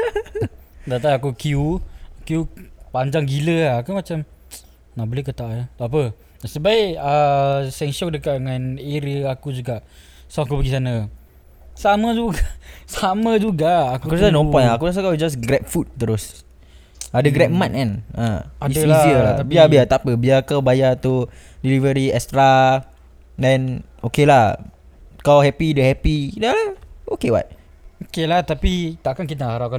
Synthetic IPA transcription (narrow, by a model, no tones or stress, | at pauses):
daʔt̪aiakukiukjupaɲd͡ʒaŋɡiləaːkumat͡ʃam | naʔbolehkət̪ajat̪ap̬ə | səbaɪʔəsɛŋʃɔk̚dəkaʔ̚dəŋãneɾiəakud͡ʒuɡaʔ | saak̬ubəɡis̬ana | saməd͡ʒuɡasamə̃d͡ʒuɡaʔːkaukusnɔ̃pɔnaakudas̬akaid͡ʒas̬ɡɾɛp̚fut̪̚t̪ːəɾʊs | adəɡɾɛp̚mãt̚anãailisiəlabiabiat̪apəbiakawbajat̪udilivəɾiɛst̪ɾa | dɛ̃n | okelah | kalawɦɛpidəhɛpidalaokewa̰t̪̚ | okelat̪apit̪aʔkankit̪aaaɾawka